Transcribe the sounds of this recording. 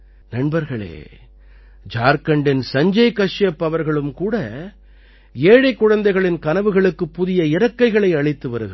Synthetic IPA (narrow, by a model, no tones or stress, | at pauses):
nɐɳbɐɾɣɐɭḛː | d͡ʒaːɾkɐɳɖɪnsɐɲd͡ʒɐɪkɐʂjɐpːɐʋɐɾɣɐɭɯmkuːɽɐ | eːɻɐɪkːʊɻɐnd̪ɐɪɣɐɭɪnkɐnɐʋɯɣɐɭɯkːɯpːʊðɪjɐɪɾɐkːɐɪɣɐɭɐɪɐɭɪt̪ːɯʋɐɾɯɣɯ